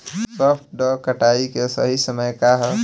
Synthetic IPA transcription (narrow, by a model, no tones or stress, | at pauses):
sɔpʰʈ̚ɖɔkəʈaikesəɦisəməjkaɦ